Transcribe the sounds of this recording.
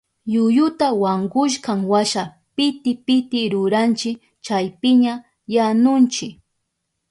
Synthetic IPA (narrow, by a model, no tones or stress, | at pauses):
jʊjʊt̪awaɴɢʊʃ̬kaŋwaʃa | pɪt̪ɪpɪt̪ɪɾʊɾant͡ʃɪk | t͡ʃajpɪɲa | janʊnt͡ʃɪk